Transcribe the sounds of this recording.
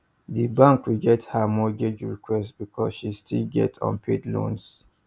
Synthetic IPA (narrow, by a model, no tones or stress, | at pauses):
ðibãŋkwiɡɛthəmɔɡed͡ʒɹikʰwɛstb̥ikʰɔsʃistʰilɡɛ̰tʰɔ̰̃npʰedlõ̰ns